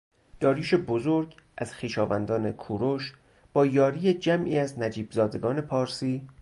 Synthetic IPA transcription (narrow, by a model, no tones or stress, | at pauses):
d̪̥ɒːɾiːʃe̞bozoɾɡʔæz̥xiːʃɒːvænd̪ɒːne̞kʰuːɾoʃ | b̥ɒːjɒːɾiːjed͡ʒæmʔiːæznæd͡ʒiːbzɒːd̪e̞ɡɒːne̞pʰɒːɾsiː